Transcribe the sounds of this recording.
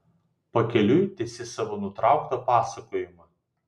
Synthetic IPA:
pɐkʲɛlʲujt̪ʲɪsʲɪsɑʋonʊt̪ɾɑˑʊkt̪ɐpɑːsɐkoːjɪmɐ

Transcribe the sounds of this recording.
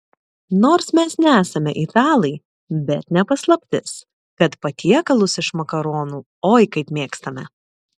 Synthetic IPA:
noːɾsmʲɛsnʲɛæːsɐmʲɛʔit̪ɑːlˠɐɪ | bʲɛt̪nʲɛpɐslˠɐpʲt̪ʲɪs | kɐt̪pɐt̪ʲiɛkɐlˠʊsɪʃmɐkɐɾoːnuː | oːjkɐɪpmʲeːkst̪ɐmʲɛ

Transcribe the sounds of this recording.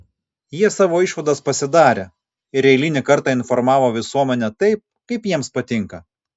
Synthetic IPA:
jiɛsɑːʋoːɪʃʋɐd̪ɐspɐsʲɪd̪ɑːɾʲe | ɪɾʲɛɪlʲɪnʲɪkɐɾt̪ɑɪnfɔɾmɑːʋoːʋʲɪsuɔmʲɛnʲɛt̪ɐɪp̚ | kɐɪpjiɛmspɐt̪ʲɪŋkɐ

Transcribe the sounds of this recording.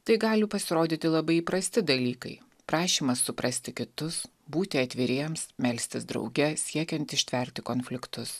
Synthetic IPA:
t̪ɐɪɡɑːlʲɪpɐsʲɪɾoːd̪ʲiːt̪ʲɪlˠɐbɐɪiːpɾɐsʲt̪ʲɪd̪ɐlʲiːkɐɪ | pɾɑːʃʲiːmɐsːʊpɾʔɐsʲt̪ʲɪkʲɪt̪ʊs | buːt̪ʲɪɐt̪ʲʋʲɪɾʲiɛmsmʲɛlʲsʲt̪ʲɪsd̪ɾɐ̰ɒ̰ʊɡʲɛsʲiɛkʲɛnt̪ɪʃʲt̪ʲʋʲɛɾʲt̪ʲɪkoːnfʲlʲɪkt̪ʊs

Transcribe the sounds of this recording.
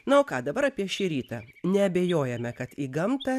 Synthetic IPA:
nɐoːkɑːd̪ɐbɐɾɑːpʲiɛʃʲiːɾʲiːt̪ɐnʲɛɐbʲejoːjɛmʲɛkɐt̪iːɡɐmt̪ɐ

